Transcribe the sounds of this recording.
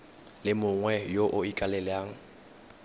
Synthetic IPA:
lɪmʊŋwɛjoʔʊikʼalɛlɪaːŋ̩

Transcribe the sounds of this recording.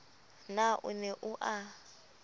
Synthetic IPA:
naʔṵnɛʔuʔa

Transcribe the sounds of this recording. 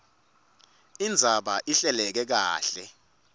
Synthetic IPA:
ind͡zʱaɓaʔiɬɛlɛk̬ɛk̬a̰ːɬɛ

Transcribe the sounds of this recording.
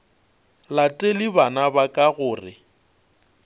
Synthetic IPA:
latʼelɪbanabakʼaɣʊːrɪ̰

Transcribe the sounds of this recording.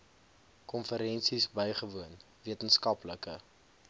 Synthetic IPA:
kɔnfəɾɛnsisbəjχəvuən | viətənskɐpləkə̰

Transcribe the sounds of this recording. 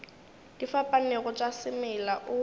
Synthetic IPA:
d̥ifapʼaneɣɔt͡ʃʼasɪmɛlaʔʊ

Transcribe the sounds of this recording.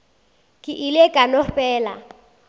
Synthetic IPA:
kʼɪʔɪlekʼanɔfɛːla̰

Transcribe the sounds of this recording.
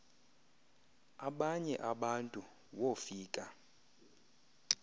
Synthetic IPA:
aɓaɲɛʔaɓantʼu | wofiːkʼa

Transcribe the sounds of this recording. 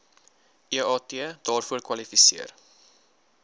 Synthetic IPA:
iəɑːteədɑːrfuərkwɐlifisḭər

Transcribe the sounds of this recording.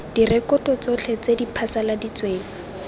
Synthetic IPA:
d̥irɛkɔtʼɔt͡sɔt͡ɬʰet͡sedipʰasaladit͡sweːŋ̩

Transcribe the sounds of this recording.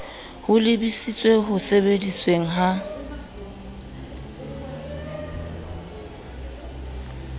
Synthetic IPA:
hʊlɪbisit͡sʼweɦʊsebedisweŋ̩ɦa

